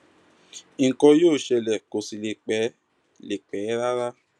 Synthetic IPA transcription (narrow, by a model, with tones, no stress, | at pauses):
i˨˦ŋ̩˨kɔ̃˧joː˦˨ʃɛ˧lɛ˨ko˨si˨le˨k͡pɛ˨˦ | le˨k͡pɛː˨˦ɾa˦ɾa˦